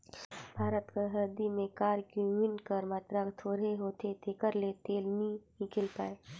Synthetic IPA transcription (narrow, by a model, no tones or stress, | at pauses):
bʱaːɾət̪kaɦɐɾd̪imẽkaːɾkumɪɳʈkəɾmaːt̪ɾakt̪ʰoːɾeɦoːt̪et̪ekəɾlet̪eːlnĩ | ɪ̃kɪlpaːe